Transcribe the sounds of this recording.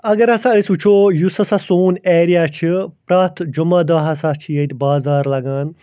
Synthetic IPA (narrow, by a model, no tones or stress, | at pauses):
ɐɡɐɾɐsãəsut͡ʃʰoːjusɐsasoːneːɾijaːt͡ʃʰipɾaːt̪ʰd͡ʒumaːd̪ɐːɦɐsaːt͡ʃʰijɐt̪ʲbaːzaːɾlɐɡaːn